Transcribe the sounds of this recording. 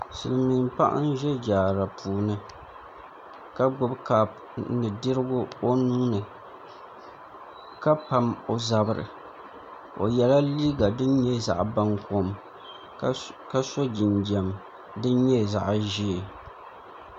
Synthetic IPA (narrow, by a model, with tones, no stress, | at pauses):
sɨ˨lɨ˨mi˨mpa˦ʔa̰˦n˦ʒɛ˦d͡ʒaː˨ɾa˨pʰuː˨nɨ˨ | ka˦ɡ͡bʊ˦bkaː˨b̚ | nɨ˨di˦ɾɨ˦ɡʊ˦o˦nu˦ŋnɨ˨ | ka˦pa˨mo˨za˨bɨ˦ɾɨ̰˨ | o̰˨jɛ˨la˦liː˦ɡa˨dɨ˦n˦ɲɛ˦za̰˨ʔba˦ŋko˨m | ka˦so˦d͡ʒi˨ndɛ˨m | dɨ˦n˦ɲɛ˦za˨ʔʒi˦˨